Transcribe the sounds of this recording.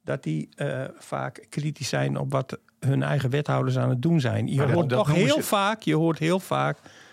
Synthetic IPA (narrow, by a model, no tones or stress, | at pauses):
dɔt̚difa̰ːkkritissɛjnɔ̰pʋɔt | hønɛ̰jɣəʋɛthawdəs̬aːnət̚dunzɛ̰jnjəɦoəɔxheəlˠfaːkjəhoərthɪːəlˠfaːk